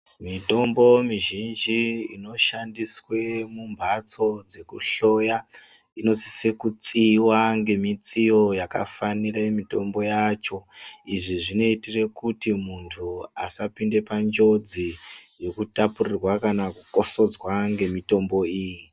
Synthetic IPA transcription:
mito̞mbo̞miʒind͡ʒiḭno̞ʃandiswe̞mumbʱat͡so̞d͡ze̞kuɬo̞ja | ino̞si̥sekut͡siwaŋɡe̞mit͡sijo̞jaka̰faniraemito̞mbo̞jat͡ʃo̞iʐiʐino̞itire̞kutimuntʰua̰sapinde̞pand͡ʒo̞d͡zijo̞kutapurirwakanakuko̞so̞d͡zwaŋɡe̞mito̞mbo̞iːji

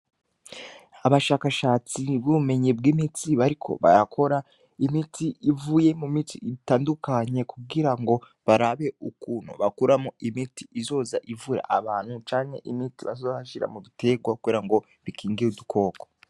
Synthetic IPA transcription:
aβaʃaːkaʃaːt͡sibuβume̞ɲeb̚ɡimit͡siβaɾikʰo̞̰βa̰jakʰo̞ɾa | imitʰiʔivuje̞mumit͡sḭitaːndukaɲe̞kuɡiɾaŋɡo̞ | βaɾaβe̞ukuːn̤o̰βakuɾamoʔimiti̥izo̞ːzaʔivuɾa̰ʔaβaːn̥hut͡ʃaːŋhḛʔimitiβa̰zozβaʃiɾa̰muβitʰe̞ɡwakuβiɾaŋɡo̞ | βikiːŋɡiudukʰo̞ːko

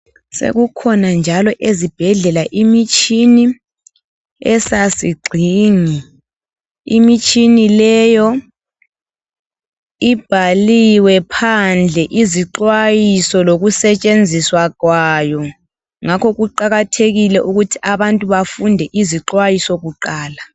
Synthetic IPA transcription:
sḛɣukʰɔnand͡ʒʱalɔʔezib̥ʱɛɮɛlaʔimit͡ʃʼini | ɛsasiɡ͡ǀʱiːŋi | ḭmit͡ʃʼinilɛjɔ | ib̥ʱaliwɛpʰand͡ɮʱɛʔiziǁwajisɔloɣusɛt͡ʃʼend͡zʱiswaɣwajɔ | ŋakʰɔɣuǃaɣatʰeɣilɛʔuɣutʰi̥ʔaβantʼuβafundʱɛʔiziǁwajisɔɣuǃaːla

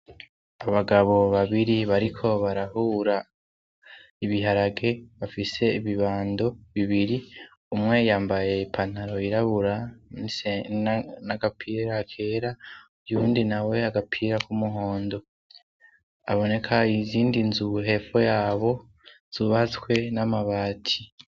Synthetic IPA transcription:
aβaɡaβo̞βaβiɾiβaɾikʰo̞βaɾahuːɾa | iβiɦaɾaɡe̞βafise̞iβiβaːndo̞βiβiɾi | umŋe̞jaːmbaje̞ipʰan̥aɾo̞iɾaβuɾani | naɡapʰiːɾakʰe̞ːɾaujuːndinawe̞aɡapʰiːɾakumuɦo̞ːndo̞ | a̰βo̞ne̞kʰaiziːndinzuɦe̞fo̞jaːβo̞ | z̥uβat͡swe̞namaβaːtʰi̥

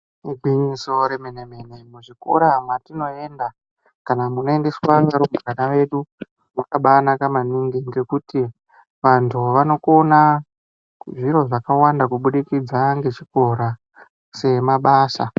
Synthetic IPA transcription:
ibʱiɲiso̞ɾemeneme̞ne̞muʐiko̞̰ɾamwatino̞e̞nda | kanamuno̞e̞nde̞swaŋaɾumburanaʋe̞ɗu | mwakaɓaːnakamaniŋɡiŋɡe̞kuti | ʋantʰuʋano̞kona | ʐiɾo̞ʐakawandakuɓuɗikid͡zaŋɡe̞t͡ʃiko̞ɾa | se̞maɓaːsa

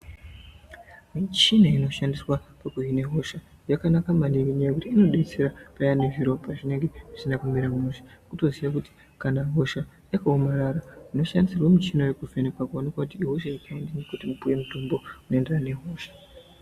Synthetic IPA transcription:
mit͡ʃinaino̞ʃandiswapakujine̞ɦo̞ʃajakanakamaniwiɲaiɾiino̞ɗeit͡se̞ɾapajane̞ʐiɾo̞paʐine̞ŋɡe̞ʐ̥isinakumiɾamuʃḁkuto̞ziʋakuti̥ | kanaɦo̞ʃa | jakaomaɾaraino̞ʃandisirwemit͡ʃinojekuvenekwakuanikwakutiːɦo̞ʃaikaendanekutimupuje̞mutombo̞unoenderane̞ɦo̞ʃḁ

